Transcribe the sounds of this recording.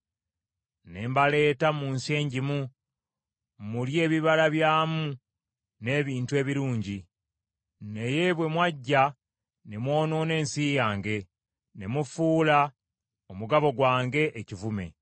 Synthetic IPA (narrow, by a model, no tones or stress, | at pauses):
ne̞ːmbale̞ːtamuːnse̞ːɲɟimu | mulje̞ːβiβalaβjaːmu | ne̞ːβiːntue̞ːβiɾuːɲɟi | ne̞je̞βwe̞mwaɟːa | ne̞mwo̞ːno̞ne̞ːnsijaːŋɡe̞ | ne̞mufuːla | omuɡaβo̞ɡwaːŋɡe̞ʔːcivume̞̰